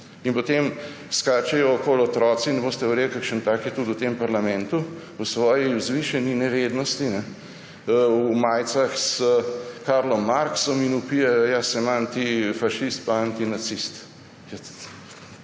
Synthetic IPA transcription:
inpɔt̪em | skaːt͡ʃɛjɔːkoːlɔt̪ɾɔːsinɛboːst̪ɛuɾeːlkakʃənt̪aːkjɛt̪ud̪wt̪empaɾlamɛ̃nt̪u | wsʋɔːjizʋiʃɛninɛʋed̪nɔst̪inɛ | wmaːjt̪saxsəkaɾlɔmːaɾksɔminupijɛjjasɛmant̪ifaʃist̪̚paant̪inasist̪ | jɛt̪

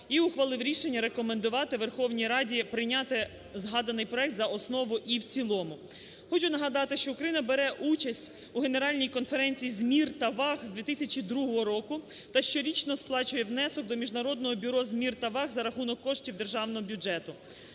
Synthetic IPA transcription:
iʊxʋɐlˠɪwɾʲiʃenʲːɐɾe̞kɔmend̪ʊʋɑt̪ɪʋerxɔwnʲijɾɑdʲipɾɪjnʲɑt̪ɪ | zɦɑd̪ɐnɪjpɾɔɛk̚t̪zɐɔsnɔʋʊʔiwt͡sʲilˠɔmʊ | xɔt͡ʃʊnɐɦɐd̪ɑt̪ɪʃt͡ʃɔʊkɾɐjinɐbeɾɛʔut͡ʃɐsʲtʲ | uɦe̞neɾɑlʲnʲijkɔnfeɾɛnʲt͡sʲijizʲmʲirt̪ɐʋɑxzd̪ʲʋʲit̪ɪsʲɐt͡ʃid̪ɾuɦɔɦɔɾɔkʊ | t̪ɐʃt͡ʃɔɾʲit͡ʃnɔsplˠɑt͡ʃʊjɛwnɛsɔk̚d̪ɔmʲiʒnɐɾɔd̪nɔɦɔbʲʊɾɔzʲmʲirt̪ɐʋɑɣzɐɾɐxunɔkːɔʃtʲiwd̪erʒɑwnɔɦɔbʲjʊd͡ʒɛt̪ʊ

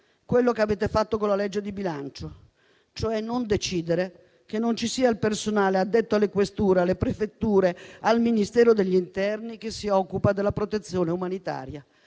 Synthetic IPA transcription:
kwelːokeaveːt̪efat̪ːokonlːalɛd͡ʒːed̪ibilant͡ʃo | t͡ʃoɛnːond̪et͡ʃiːd̪eɾe | kenːont͡ʃisiːailpersonaːlead̪ːet̪ːoalːekwest̪uːɾealːepɾefet̪ːuːɾealminist̪ɛːɾod̪eʎːint̪ɛrnikesːiɔkːupad̪elːapɾot̪et̪sːjoːneumanit̪a̰ːɾja

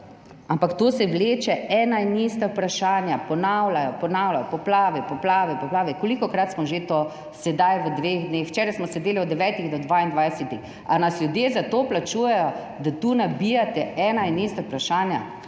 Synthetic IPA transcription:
ampakt̪oːsɛwleːt͡ʃɛɛːnainist̪apɾaʃaːnjapɔnawlajɔpɔnawlʲajɔpɔplaːʋɛpɔplaːʋɛpɔplaːʋɛkolikɔkɾat̪smɔʒet̪o | sɛd̪ajʋəd̪ʋeɣd̪nexwt͡ʃɛːɾajsmɔsɛd̪eːliɔd̪ɛʋɛt̪iɣd̪ɔd̪ʋaind̪ʋajsɛt̪ix | anaslʲjud̪jeːzat̪oplat͡ʃuːjɛjɔ | d̪at̪uːnabijat̪ɛɛnainist̪apɾaʃaːnja̰

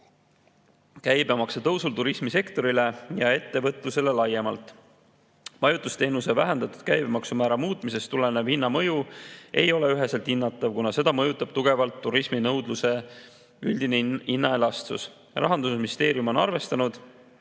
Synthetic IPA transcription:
kæjbemɑkset̪ɤwsult̪uɾismise̞kt̪o̞ɾile̞jɑe̞t̪ːe̞vɤt̪ˑluse̞le̞lɑje̞mɑlt̪ˑ | mɑjut̪ːˑust̪e̞ːnuse̞væɦend̪̥ɑt̪ːˑud̪̥̚kæjbemɑksumæːɾɑmuːt̪ˑmise̞st̪ulenevhinːɑmɤ̞jue̞̰jo̞le̞yɦe̞selt̪hinːɑt̪ːˑɑvkunɑse̞d̪ɑmɤjut̪ːˑɑb̥̚t̪uɡ̥e̞vɑlt̪ːuɾisminɤwd̪luse̞ | ylʲd̪̥ineinːɑe̞lɑst̪ṵs | rɑ̰ɦɑnd̪usmist̪e̞ːɾiumo̞nɑ̰rve̞st̪ɑnud̪̥

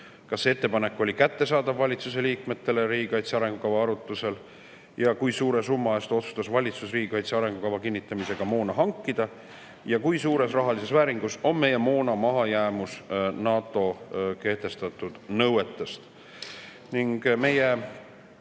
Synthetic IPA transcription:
kɑsːeet̪ːe̞pɑnekːo̞lʲikæt̪ːe̞sɑːd̪ɑvːɑlʲit̪suse̞liːkme̞t̪ːe̞leɾiːɡikɑjt̪seɑɾe̞ŋɡ̥ukɑvɑɑɾut̪ːˑuse̞l | jɑkujsuːɾe̞sumːɑest̪o̞t̪su̥st̪ɑsvɑlʲit̪susriːɡikɑjt̪seɑɾe̞ŋɡ̥ukɑvɑkinːit̪ːˑɑmise̞ɡ̥ɑmo̞ːnɑɦɑŋkːid̪̥ɑ | jɑkujsuːɾe̞srɑɦɑlise̞svæːɾiŋɡuso̞mme̞jemo̞ːnɑmɑɦɑjæːmusnɑːt̪ˑːo̞ke̞ht̪e̞st̪ɑt̪ːˑud̪̥nɤwe̞t̪ːˑest̪ | niŋɡ̥me̞je

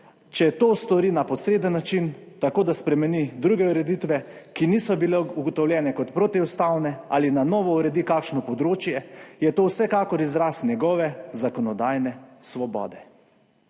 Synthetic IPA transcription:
t͡ʃɛt̪oːst̪ɔɾinapɔsɾeːd̪ənːat͡ʃint̪akoːd̪aspɾɛmɛnid̪ɾuːɡɛuɾɛd̪it̪ʋɛkiniːsɔbilɛuɡɔt̪ɔwljɛːnɛkɔt̪pɾot̪iust̪awnɛa̰linanɔʋɔuɾɛd̪ikakʃnɔpɔd̪ɾoːt͡ʃjɛjɛt̪oːwsɛkaːkɔɾizɾasnʲjɛɡɔːʋɛzakɔnɔd̪aːjnɛsʋɔbɔ̰ːd̪ɛ

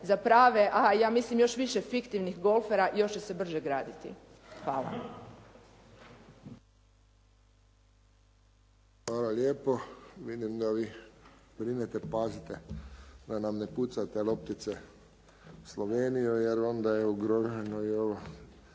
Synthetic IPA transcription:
zapɾaːʋeʔajaːmislimjo̞ʃʋiʃefikt̪iʋnixɡo̞lfeɾaʔjo̞ʃt͡ɕesebr̩ʒeɡɾaːd̪it̪ḭ | xʋaːla̰ | xʋaːlaljeːpoʋid̪imd̪aʋi | bɾinet̪epazit̪ed̪anamneput̪sat̪elop̚t̪it̪se | sloʋeːnijujeɾo̞nd̪ajeuɡɾoʒenoioʋo

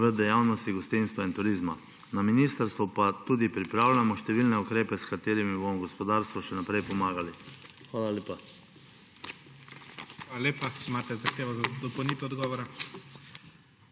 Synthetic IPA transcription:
əd̪ɛjaːwnɔst̪iɡɔst̪inst̪ʋaint̪uɾiːzma | naminist̪əɾst̪ʋupat̪uːd̪ipɾipɾaːwlʲamɔʃt̪ɛʋiːlnɛukɾeːpɛskat̪eːɾimibomɔɡɔspɔd̪aːɾst̪ʋɔʃɛnapɾɛjpɔmaːɡali | xʋaːlaleːpa | xʋaːlaleːpat͡ʃimaːt̪ɛzaxt̪eːʋɔzad̪ɔpownit̪ɛɔd̪ɡɔːʋɔɾa

